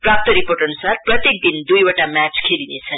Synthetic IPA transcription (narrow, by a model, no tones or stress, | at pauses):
prap̚t̪ʌɾiporʈʌnusarprʌt̪jek̚d̪ind̪ujoʈamat͡skʰelinet͡sʰʌn